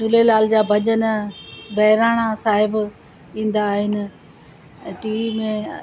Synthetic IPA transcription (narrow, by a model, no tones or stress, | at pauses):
tʊlelaːld͡ʑaːbʱɐʄənbɐɦɪɾaːɽ̃asaːɦɪb | ĩːn̆d̪aːɦɪnɪ̆ | ʈiːimẽ